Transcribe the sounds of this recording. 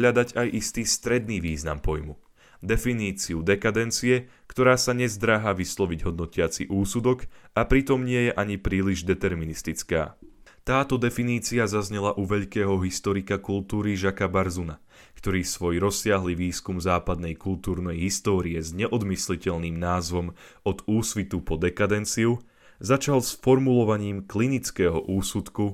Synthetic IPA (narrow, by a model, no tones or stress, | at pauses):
ʎad̪aɟajʔist̪iːst̪ɾɛd̪niːʋiːzna̰mpɔjmu | d̪ɛfiniːt͡siud̪ɛkad̪ɛnt͡siɛ | kt̪ɔɾaːsaɲɛzd̪ɾaːɦaʋislˠɔʋiɟɦɔd̪nɔcɪat͡sḭʔuːsud̪ɔkapɾit̪ɔmɲɪɛjɛʔaɲipɾiːliʒd̪ɛt̪ɛɾminist̪it͡ska̰ːt̪aːt̪ɔd̪ɛfiniːt͡siazazɲɛlaʔuʋɛʎkɛːɦɔɦist̪ɔɾikakult̪uːɾiʒakabaɾzuna | kt̪ɔɾiːsʋɔjɾɔsːɪaɦliʋiːskumzaːpad̪nɛjkult̪uːɾnɛjɦist̪ɔːɾiɛzɲɛʔɔd̪mislicɛʎniːmnaːzʋɔm | ɔd̪uːsʋit̪upɔd̪ɛkad̪ɛnt͡siu | zat͡ʃalsfɔɾmulɔʋaɲiːmklinit͡skɛːɦɔʔuːsut̪ku